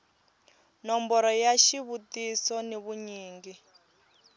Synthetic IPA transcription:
nɔmbɔɾɔjaʃiβutisɔniβuɲiːŋɡi

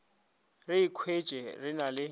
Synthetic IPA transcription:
rɪikʰwet͡ʃʼɛrɪnalɪ

